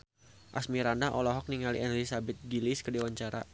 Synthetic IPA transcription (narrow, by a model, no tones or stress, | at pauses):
ʔa̰smiɾandaɦʔɔlɔɦɔk̚niŋalḭʔɛnlisabɛt̪̚ɡiliskədiwaɲt͡ʃaɾa̰